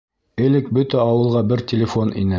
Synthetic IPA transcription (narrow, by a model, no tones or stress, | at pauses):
ɘ̆lɘk̚bɵt̪æɑwɤ̆lˠʁɑbɘɾtʲɪlʲɪfonḭnɘ